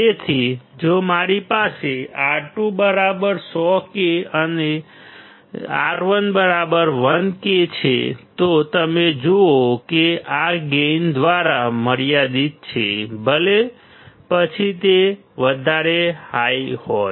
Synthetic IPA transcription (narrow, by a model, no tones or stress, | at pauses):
et̪ʰid͡ʒomaɾipaseaʈũbəɾabəɾsɔkeəne | a̰ɾʋənbəɾabəɾʋənket͡ʃʰḛt̪ot̪əmed͡ʒookeaɡend̪ʋaɾaməɾijad̪it̪̚t͡ʃʰḛbəle | pət͡ʃʰit̪e | ʋəd̪ʱaɾehaihɔ